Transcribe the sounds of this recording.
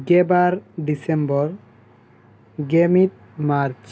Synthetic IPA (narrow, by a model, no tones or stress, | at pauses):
ɡebaɾɖisembɔɾ | ɡemit̚ | maɾt͡ʃ